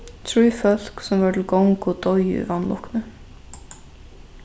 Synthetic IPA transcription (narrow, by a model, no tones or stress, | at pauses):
t̪ʰɾujfœl̥ksɛmvat̪ʰɪlkowŋkʊt̪ɔjʏ̰ḭvanːlɔ̰hknʏ